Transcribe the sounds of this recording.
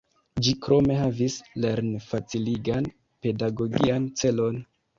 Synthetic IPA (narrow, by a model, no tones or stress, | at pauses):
d͡ʒikɾo̞me̞ɦavisle̞ɾnfat͡siliɡan | pe̞daɡo̞ɡiant͡se̞lo̞n